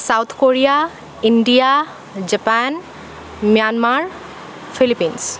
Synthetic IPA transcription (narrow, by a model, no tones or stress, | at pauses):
sawt̪ʰkoɹija | inɖija | d͡ʒɛpan | mjanmaɹ | pʰilipins